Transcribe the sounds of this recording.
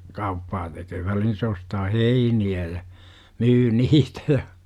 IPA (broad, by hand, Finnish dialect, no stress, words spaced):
kɑupːɑː tekøː ʋælihin se ostɑː heiniæ jɑ myː niːtæ jɑ